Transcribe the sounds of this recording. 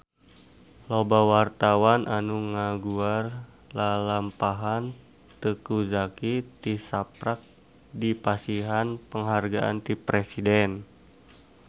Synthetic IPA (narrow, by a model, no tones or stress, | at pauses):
lobawart̪awanʔanuŋaɡuar | lalampaɦan | t̪əkuzakit̪isapɾak̚ | dipasiɦanpəŋɦarɡaʔa̰nt̪ipɾesidɛn